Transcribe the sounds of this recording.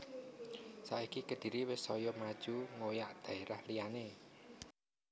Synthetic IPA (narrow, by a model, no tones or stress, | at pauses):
saʔikikəd̪̥i̤ɾiwɪsɔjɔmad̥ʒ̥uŋojaʔd̪̥a̤eɾahliane